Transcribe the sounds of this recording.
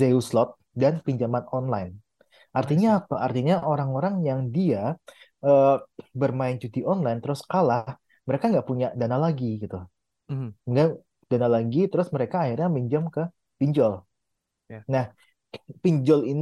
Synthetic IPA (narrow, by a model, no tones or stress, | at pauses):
zeuslɔt̪̚ | danpiɲd͡ʒamanɔnlajn | ʔart̪iɲaːpaːrt̪iɲaʔoɾaŋoɾaŋjaŋdia | ʔəːbərmaɪnt͡ʃut̪iʔɔnlajnt̪əɾʊskalah | məɾekaŋɡaʔpuɲaʔdanalaɡiɡit̪u | ŋɡa | d̥analaɡit̪əɾʊsməɾekaːhirɲamiɲd͡ʒamkə | piɲd͡ʒɔl | nah | piɲd͡ʒɔlin